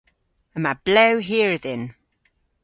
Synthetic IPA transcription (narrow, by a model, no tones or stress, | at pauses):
əmab̥lewɦiəɹðɪn